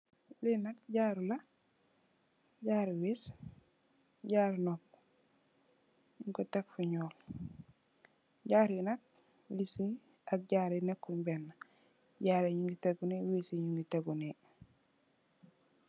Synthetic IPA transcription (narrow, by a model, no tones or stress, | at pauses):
linakɟaɾula | ɟaɾiwis | ɟaːɾnɔk | uŋkotekfuɲɔːl | ɟaːɾinak̚ | wisi | ak̚ɟaɾenɛkːuɲbɛnːa | ɟaːɾeɲuŋɡiteɡunewisiɲuŋɡiteɡune